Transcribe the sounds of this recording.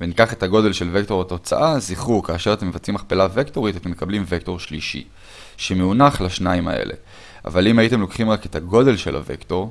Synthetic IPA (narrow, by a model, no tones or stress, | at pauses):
venikaχe̞taɡo̞de̞lʃe̞lve̞kto̞ʁato̞t͡sa̰ʔaziχukaːʃe̞ʁat̪e̞mːevat͡simaχpelavekto̞ʁitat̪emːekablimvek̚to̞ʁ̞ʃliʃḭ | ʃe̞meunaχlaʃnaima̰ḛlʔe̞̰ | a̰valimajite̞mlo̞kχimʁake̞tʰaɡo̞de̞lʃe̞̰la̰vḛkto̞ʁ